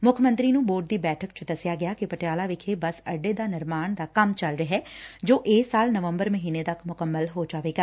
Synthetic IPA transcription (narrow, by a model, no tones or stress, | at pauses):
mʊkʰəmə̃nt̪ɾiːnũːboːʈ̚d̪iːbɛːʈʰəkt͡ʃd̪əsɪjaːɡɪjaːkɪpəʈɪjaːlaːʋɪkʰeːbəsə̰ɖeːd̪aːnɪɾmaːɳd̪aːkəmt͡ʃəlɾəɦɛːd͡ʒoːʔeːsaːlnəʋəmbəɾməɦiːneːt̪əkʰmʊkəmːəlɦoːd͡ʒaːʋeːɡaː